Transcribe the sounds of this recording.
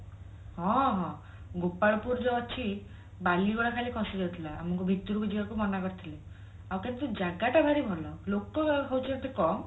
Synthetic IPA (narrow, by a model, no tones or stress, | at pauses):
hɔ̃ɦɔ̃ | ɡopaɭpuɾd͡ʒɔɔt͡ʃʰi | baliɡɔɭakʰalikʰɔsiɡɔt̪ʰilaa̰mɔŋkubʱit̪uɾukud͡ʒibakumɔnakɔɾt̪ʰile | awkenit̪ud͡ʒaɡaʈabʱaɾibʱɔlɔlokɔkʰɔwt͡ʃʰiat̪ʰekɔm